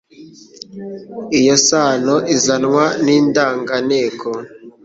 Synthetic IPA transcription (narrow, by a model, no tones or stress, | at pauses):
ijosaːnoʔizanŋwaniːndaːŋɡaneːkʰo